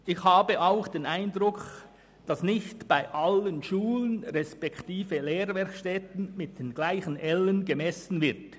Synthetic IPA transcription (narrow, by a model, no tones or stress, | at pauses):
ʔɪçhaːbəʔaʊxd̥eːnaɪndʁʊk | d̥ɑsnɪçtb̥aɪʔalənʃuːlənʁɛspɛktiːfəleːɾvɛɐkʃtɛtən̩mɪt̚d̥eːnɡ̥laɪçənɛlənɡəmɛsn̩vɪʁt